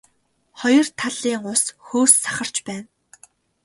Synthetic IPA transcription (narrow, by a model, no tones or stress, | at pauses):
χɔjɞ̆r̥t̪ʰaɮiːŋʊsxoːsːḁχə̆r̥t͡ɕpæːn